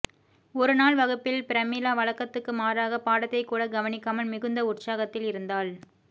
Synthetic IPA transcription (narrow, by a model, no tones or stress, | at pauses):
ɔɾɯnaːɭʋɐɣɯpːɪlpɪɾɐmiːlaːʋɐɭɐkːɐt̪ːɯkːɯmaːɾaːɣɐpaːɽɐt̪ːɐɪkːuːɽɐɡɐʋɐnɪkːɐmɐɭmɪɣɯnd̪ɐʊʈsaːɣɐt̪ːɪlɪɾɯnd̪aːl